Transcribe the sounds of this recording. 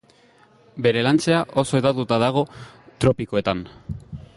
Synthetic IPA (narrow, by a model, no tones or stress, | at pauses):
be̞ɾe̞lant͡se̞aʔo̞so̞et̪at̪ut̪aðaɣ̞o̞t̪ɾo̞piko̞e̞t̪an